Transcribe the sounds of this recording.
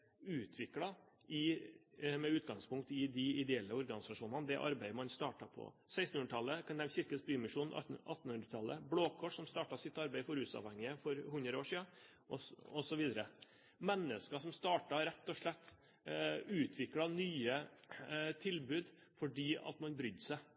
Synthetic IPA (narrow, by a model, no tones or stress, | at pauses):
ʉːt̪ʰʋɪklɑ | ɪ | mɛʉːt̪ɡɑŋspʊŋk̚t̪ɪd̪ɪɪd̪ɛɛlːəɔɾɡɑnɪsɑʂuːnɑnəd̪ɛʔɑ̰ɾbæɪəmɑnst̪ɑːʈɑpʰɔ̰ | sæɪsn̩hʉnəʈ̪ʰɑlːəkɑnd̪ɛmçɪɾkənsb̪yːmɪʂuːn̰ʔɑt̪ːn̩hʉnd̪ɾət̪ʰɑlːə̰bloːkʰɔʂsɔmst̪ɑːʈɑsɪt̪ːɑɾbæɪfɔɾʉːsɑ̰ːʋhɛŋːɪəfɔɾhʉnd̪ɾəoːʂiːɑ | ʔɔɔsɔʋiːd̪əɾə | mɛnːəskɑsɔmst̪ɑːʈɑɾɛt̪ːɔʂɭɛt̪ː | ʉːt̪ʰʋɪklɑnyːə | t̪ʰɪlbʉːd̪ | fɔɖiːɑ̰t̪mɑnbɾʏd̪sæɪ